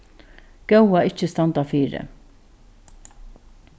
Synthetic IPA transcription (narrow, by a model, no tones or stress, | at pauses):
ɡ̥ɛwaɪt͡ʃːəst̪ɑnt̪afiːɾə̰